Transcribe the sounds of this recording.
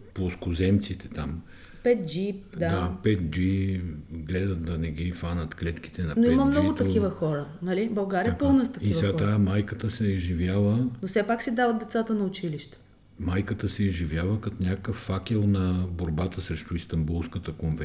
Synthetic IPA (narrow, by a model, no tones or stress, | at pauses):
poskʊzɛmt̪sit̪ɛt̪am | pɛt̪̚d͡ʒid̪dadapɛt̪̚d͡ʒi | ɡlɛd̪ət̪̚d̪ɐnɛɡʲifanɐt̪klɛt̪k̟i̥t̪ɛnɐnoiməmnɔɡʊt̪ɐkivəxɔɾənɐlibɐlˠɡaɾʲiɛpɤlˠnəst̪ɐkisvɛɡat̪amajkət̪əsɛzʒivʲjavənosɛpaksid̪avət̪̚d̪ɛt̪sat̪ənɐʊt͡ʃiliʃt̪ɛ̥ | majkət̪əsɛizʒivjavəkɐt̪onʲakəkəfːakɛlˠnɐboɾbat̪əsɾɛʃt̪ʊist̪ɐmbulˠskət̪əkonvɛ